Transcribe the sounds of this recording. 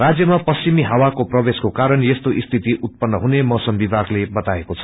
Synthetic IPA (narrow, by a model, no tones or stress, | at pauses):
rad͡zjʌmapʌst͡ɕimiɦʌwakoprʌbeskokaɾʌnjest̪oʔist̪ʰit̪iʔut̪̚pʌnːʌɦunemʌsʌmbibʱaɡlebʌt̪aekot͡sʰʌ̥